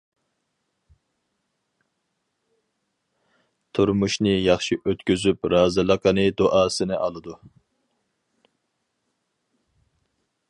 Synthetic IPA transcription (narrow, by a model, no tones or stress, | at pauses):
t̪ʰuɾmuʃnɨjɑχʃiʔøt̪kʲyzypɾɑːzɨlˠəqʰənɨd̪oʔɑːsɨnɪʔɑlˠɨd̪u